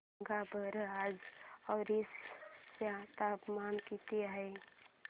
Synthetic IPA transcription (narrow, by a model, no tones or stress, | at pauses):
ɡabəɾad͡ʒɔːɾisjat̪apmankit̪eɦɛɪ